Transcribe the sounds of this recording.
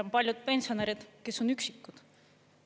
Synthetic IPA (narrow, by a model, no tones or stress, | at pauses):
ompɑlʲjud̪̥̚pe̞nsio̞neɾid̪̥ke̞sːo̞nyksikːˑud̪̥